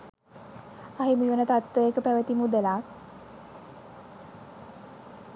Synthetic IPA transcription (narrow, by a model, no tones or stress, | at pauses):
aɦimiʋənət̪at̪ʋəekəpæʋət̪imud̪əlaː